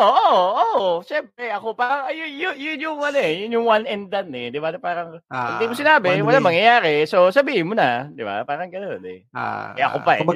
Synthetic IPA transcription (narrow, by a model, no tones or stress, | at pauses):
ʔoːʔoʔoʃɛmp̚ɾɛʔɐko̞paːɾɐŋɐjjʊjʊnjʊŋʔɐnoɛjʊnjʊŋwanʔɛnd̪ɐnːɛd̪ɪbapaːɾɐŋɐd̪imosɪnaːbɪwɐlaŋmɐŋjɐjaːɾɛsosɐbiːhɪnmonɐd̪ɪba̰paːɾɐŋɡɐnonɛ̰ | ɛʔɐ̰kopɐʔɛ